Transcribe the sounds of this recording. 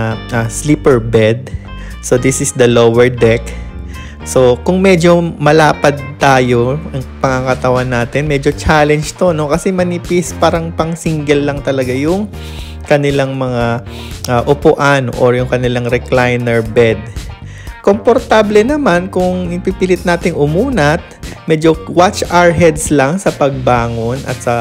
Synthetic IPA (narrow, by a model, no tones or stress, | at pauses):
ɐsliːpɛɹbɛd̪̚ | so̞d̪ɪsɪsd̪ɐlowɛɹd̪ɛk | so̞kʊŋmɛd͡ʒo̞mɐlaːpɐd̪̚t̪aːjo̞ʔɐŋpɐŋaŋɐt̪ɐwanːaːt̪ɪnmɛd͡ʒo̞t͡ʃalɛnd͡ʒt̪o̞no̞kɐsɛmɐnipspaːɾɐŋpɐŋsiŋɡɛlːɐŋt̪ɐlɐɡajʊŋ | kɐnɪlaŋmɐŋa | ʔaʔʊpʊʔanʔoɹjʊŋkɐnɪlaŋɾɛklajnɛɹbɛd̪̚ | kompoɾt̪ablɛnɐmankʊŋɪpipiːlɪt̪̚naːt̪ɪŋʊmuːnɐt̪̚mɛd͡ʒo̞wat͡ʃʔaɹɦɛd̪slɐŋsɐpɐɡ̚baːŋo̞nʔɐ̰t̪̚sɐ